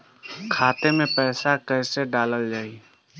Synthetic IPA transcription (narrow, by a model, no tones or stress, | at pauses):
kʰaːt̪emẽpɛːsakɛːseɖaːləld͡ʒaːi